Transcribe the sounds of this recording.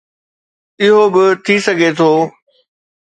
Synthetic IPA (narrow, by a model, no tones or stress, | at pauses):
ɪɦobɪt̪ʰisɐɡʱet̪ʰoː